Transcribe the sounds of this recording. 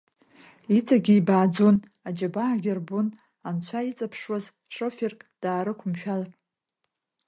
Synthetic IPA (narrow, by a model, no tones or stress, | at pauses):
it͡sʰaɡʲiːbaːd͡zon | ad͡ʒabaːɡʲɪrbʊn | ant͡ɕʷʰait͡sʼapʰʂwaz | ʂoferkʼd̥aːɾɨkʷʰʊmʃᶣalatʼ